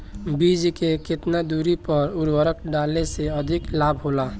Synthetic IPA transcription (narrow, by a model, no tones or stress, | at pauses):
bid͡ʒkekɪt̪nad̪uɾipəɾʊɾwəɾəkɖaːlneseəd̪ʱɪklaːbɦola